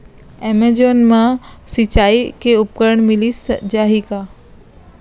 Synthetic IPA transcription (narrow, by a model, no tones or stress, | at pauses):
emed͡ʒonmãsit͡ʃaːikeʊp̚kəɾəɳmilisd͡ʒaɦika